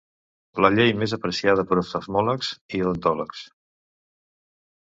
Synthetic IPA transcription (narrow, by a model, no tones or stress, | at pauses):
ləʎejmezəpɾəsiað̞əpəɾost̪əzmɔləksilənt̪ɔləks